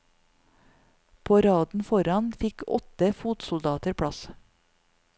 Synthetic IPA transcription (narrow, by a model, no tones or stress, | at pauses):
pʰoːɾɑːd̪n̩fɔɾɑnfɪkɔ̰t̪əfuːt̪sʊld̪ɑːt̪əɾpʰɽɑs